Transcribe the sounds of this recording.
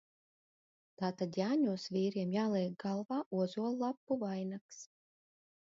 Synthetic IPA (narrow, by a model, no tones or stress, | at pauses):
t̪aːt̪ad̪jaːɲuɔsviːɾiɛmjaːlˠiɛɡ̚ɡalˠvaːʔuɔzuɔlˠlˠapːuvajnaks